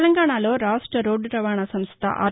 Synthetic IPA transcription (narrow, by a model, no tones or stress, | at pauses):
lɐŋɡaːɳaːlo̞ːɾaːʂʈɾɐɾoːɖɾɐʋaːɳasɐmst̪ʰɐ̰ʔa̰ː